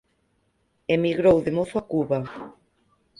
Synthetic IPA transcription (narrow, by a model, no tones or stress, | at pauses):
emiɣɾowðemoθʊakuβa